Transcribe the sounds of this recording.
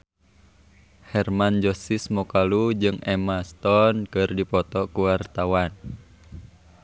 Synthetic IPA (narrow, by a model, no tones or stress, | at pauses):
hɛrmand͡ʒɔsismɔkalud͡ʒɨŋɛmast̪ɔnkɨrdipɔt̪ɔkuwart̪awan